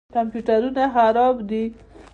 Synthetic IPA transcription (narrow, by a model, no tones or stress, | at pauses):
kampjuʈaɾunaxaɾɑbd̪i